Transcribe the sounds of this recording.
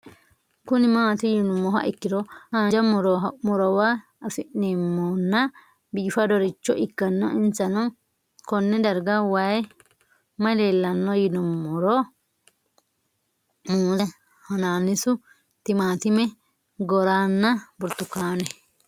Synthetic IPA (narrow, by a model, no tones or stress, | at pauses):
kʊnɪmaːt̪ʊjɪnʊmːɔɦɐ̰ʔɪkːɪd̪ɔhad͡ʒɐmɔɾɔmɔɾɔwa | ɐfɪʔnemːɔnːɐ | biːfɐd̪ɔɾɪt͡ʃːɔʔɪkːɐnːɔʔɪnt͡sːɐnɔ | kɔnːɛd̪ɐɾɡɐwaj | mɐleːlːɐnːɔjɪnʊmːɔɾɔ | muːlɛ | hɐnaːnːɪsʊ | t̪ɪmaːt̪ɪmɛ | ɡɔɾaːnːɐbʊɾt̪ːʊkːaːnɛ